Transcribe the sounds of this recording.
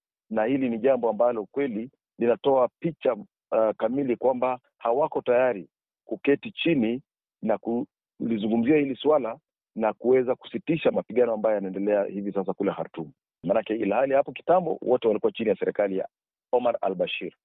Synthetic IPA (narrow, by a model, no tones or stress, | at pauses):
nahiliniʄambɔambalɔkwɛli | linatɔapit͡ʃa | kamilikwamba | hawakɔtajaɾi | kukɛtit͡ʃini | naku | lizuŋɡum̩ziahiliswala | nakuwɛzaku̥sitiʃamapiɠanɔambajɔjanaɛndɛlɛahivisas̬akulɛha̰ɾtumu | manakɛilahalihapɔki̥tambɔ̰wɔtɛwalikuwat͡ʃinijasɛɾɛkalija̰ | ɔmaɾa̰lɓaʃiɾ